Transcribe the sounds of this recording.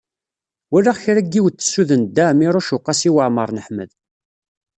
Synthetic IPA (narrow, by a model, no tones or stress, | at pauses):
wælːaʁçɾæɡːiwt̪ːə̥sːuðənd̪ːæmiɾˤuʃʊqːɑsiwəʕməɾˤnəħməð